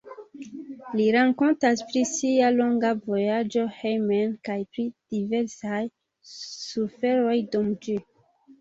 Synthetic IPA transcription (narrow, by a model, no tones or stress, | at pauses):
liɾaŋko̞ntaspɾisialo̞ŋɡavo̞jad͡ʒo̞hejmenkajpɾid̥iveɾsaj | sufe̞ɾo̞jdumd͡ʒi